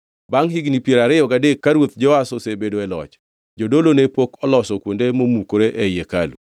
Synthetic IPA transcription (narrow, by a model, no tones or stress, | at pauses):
baŋɦiɡnipjeɾaɾɪjɔɡadekːaɾwot̪̚d͡ʒɔasosebedoɛlɔ̰t͡ʃ | d͡ʒodolonepokɔlɔsɔkwondemomukoɾeʔɛjeka̰lṵ